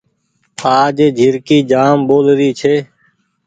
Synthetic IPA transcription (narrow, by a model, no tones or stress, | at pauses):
aːd͡ʒeːd͡ʒʱɪɾkiːd͡ʒaːmboːlɾiːt͡ʃʰeː